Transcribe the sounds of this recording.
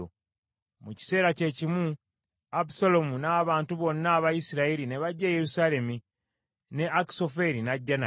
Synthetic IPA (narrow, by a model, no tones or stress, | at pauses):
o | muci̥se̞ːɾace̞cimu | apusolo̞munaːβaːntuβo̞nːaːβajisiɾailine̞βaɟːeːjeɾusaːle̞mi | ne̞aki̥so̞fe̞ɾinaɟːana